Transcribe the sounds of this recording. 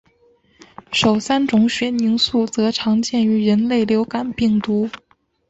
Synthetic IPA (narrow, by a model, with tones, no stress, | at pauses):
ʂo˨˩ʊsa˥nʈ͡ʂʊ˧˥ŋɕɥɛ˧˥ni˧˥ŋsu˥˩t͡sɤ˧˥ʈ͡ʂʰɑ˧˥ŋt͡ɕjɛ˥˩ny˧˥ɻə˧˥nle˥˩ɪljo˧˥ʊka˨˩npi˥˩ŋt̪u˧˥